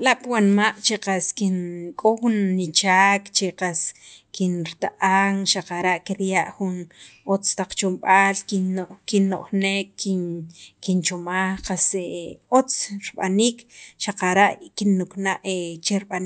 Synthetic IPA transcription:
laʔpwanmaʔt͡ʃeqaskinkʼoxunːit͡ʃaːkt͡ʃeqaskinɾit̪aʔaŋʃaqaɾaʔkiɾjaʔxunot͡st̪aq͡χt͡ʃomɓaːlkinokinːoʔxneːkːikint͡ʃomaχqaseʔot͡sɾiɓanikʃaqaɾaʔkinːuknaʔet͡ʃeɾɓan

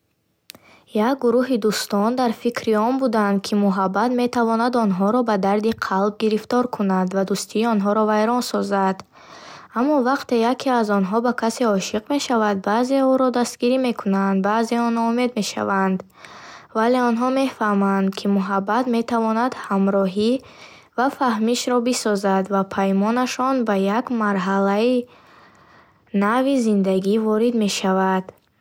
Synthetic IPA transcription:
jak̚ɡuɾuɦid̪ust̪ɔnd̪aɾfikʰɾiɔnbud̪and̪̚kʰimuɦabːat̪me̞t̪ʰavɔnad̪ɔnɦɔɾɔbad̪aɾd̪iqʰalb̚ɡiɾift̪ɔɾkʰunad̪vad̪ust̪ʰiːɔnɦɔɾɔvajɾɔnsɔzad̪ | amːɔvaqt̪e̞jakʰiazɔnɦɔbakʰaseɔʃiqme̞ʃavad̪̚baze̞uɾɔd̪ast̪ɡiɾime̞kʰunand̪̚baːze̞ɔnɔume̞d̪me̞ʃa̰vand̪ | vale̞ɔnɦɔme̞fahmand̪kʰimuɦabːat̪me̞t̪ʰavɔnad̪hamɾɔɦi | vafahmiʃɾɔbisɔzad̪vapʰajmɔnaʃɔnbajakmaɾɦalai | navizind̪aɡivɔɾid̪me̞ʃavad̪̥

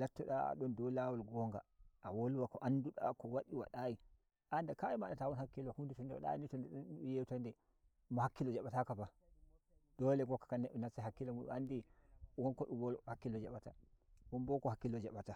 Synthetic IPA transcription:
latːɔɗa̰ɗɔndɔlawalɡɔŋɡa̰ʔawoluwakɔʔanduɗa̰kɔwaɗiwa̰ɗaji | ʔandakaimaɗatawɔnhakːilwahunditɔndɛwa̰ɗa̰jinitɔndɛɗɔnjewtandɛ | mɔhakːilɔd͡ʒaɓatakaba | d̥ɔlɛɡɔkːḁkanɛʔunasaɦakːilɔmuɗṵandiwɔnkɔɗuwɔlhakːilɔd͡ʒaɓatawɔnbɔkɔhakːilɔd͡ʒaɓata

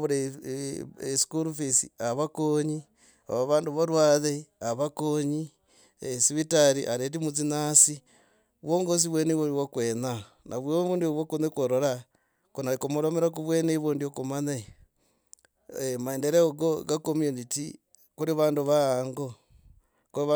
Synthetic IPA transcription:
βuɾe | skuɾufisḭaβakoɲi | a̰βaβaːnduβaɾwaːðeaβakoɲi | esiβitaɾiʔaɾet̬imut͡sinasi | βwoŋɡos̬iβwenewoɾiwokweːna | nʔaβwjoβuːndioβwokonekwoɾoɾa | kunaikomoɾomeɾak̬uβweneβoːndiokumane | emaendeɾeoɡoɡakomjuniti | kuɾiβaːnduβaaːŋɡo | ku

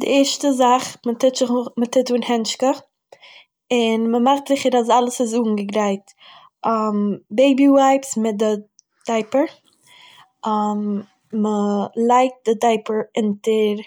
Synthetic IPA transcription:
dɪ̰ɛɾʃtəzaχmətɪtɪχmətʰɪtuːnhɛnʃkə | ɪnməmaχtz̥ɪχəɾasalˠəsɪs̬uːɡŋ̩ɡəɡɾaɪt | ʔambeɪbiwaɪpsmɪt̚dɪ | d̥aɪpəɾ | am | məlˠaɪk̚t̚d̥ɪdaɪpəɾɪntəɾ

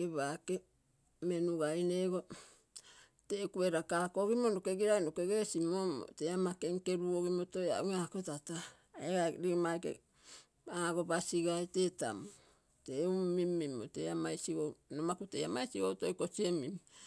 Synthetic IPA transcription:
keβake | me̞nuɡajneɡo̞ | tekueɾakakoɡimonokeɡiɾajnokeɡesimomo̰teamakeŋke̞ɾuoɡimoto̞ja̰uakotata | eɡaɾiɡmajkḛ | aɡo̞basiɡajte̞ːta̰mo | teuːimːimo̰teamajsiɡonomakuteamajsiɡowto̞jko̞siemim

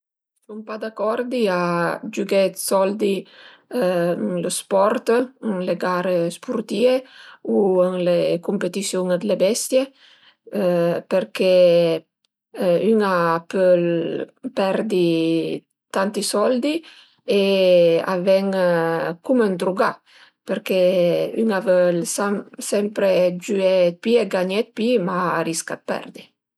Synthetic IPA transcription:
suŋpad̪akːɔɾd̪iad͡ʒuɡɛt̪sɔld̪i | ŋlospɔɾt̪əŋleɡaːɾespuɾt̪iːeuəŋlekumpet̪isjuŋd̪lebɛst̪je | peɾke | yŋapəlpɛɾd̪i | t̪ant̪isɔld̪i | ea̰vɛŋkumənd̪ɾuɡa | peɾkeyŋavəlsamsɛmpɾed͡ʒyɛt̪̚pieɡaɲɛt̪̚pimaaɾiska̰t̪̚pɛ̰ɾd̪i

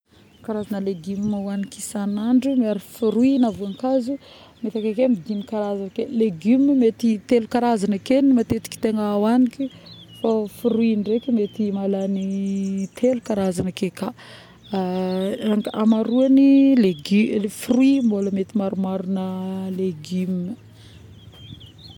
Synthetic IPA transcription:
kaɾazanəleɡimmawanikisanaɳɖ͡ʐumeaɾifuɾuinavuaŋkazu | met̪akekemid̪inikaɾazankeleɡymmet̪it̪elukaɾazanakenimat̪et̪i̥ki̥t̪eŋawanikifafuɾuiɳɖ͡ʐekimet̪imalanit̪ʰelukaɾazanəkeka | aŋamaɾuanileɡfiruimoləmet̪imaɾumaɾunəleɡymə

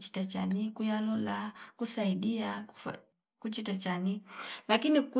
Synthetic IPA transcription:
t͡ʃi̥tat͡ʃanikujalɔlakusaiɗiaf | kut͡ʃitat͡ʃanilakiniku

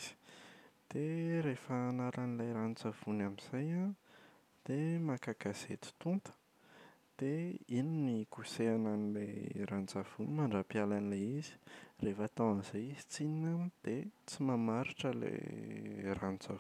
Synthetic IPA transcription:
z̥i̥d̪̥eɾefəːnaɾanilajɾanit͡sav̥unamiz̥aja | d̪̥emakakazet̪i̥t̪unt̪ə̥ | d̪̥eininikuseananileɾant͡sav̥unimaɳɖ͡ʐapialanileizi̥refat̪awanzajizi̥t͡sininamd̪̥et͡simamaɾiʈ͡ʂəlḛ | rant͡sa

